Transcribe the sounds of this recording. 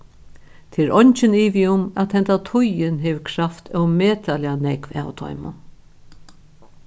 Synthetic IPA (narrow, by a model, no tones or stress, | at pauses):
t̪ʰɪɾɔɲt͡ʃɪniːʋiʊmæt̪hɛnt̪at̪ʰʊjɪnɦɛʋkʰɾaft̪ʰœwmeːt̪ʰalɪanɛkva̰ːwt̪ʰɔ̰jmʊ̰n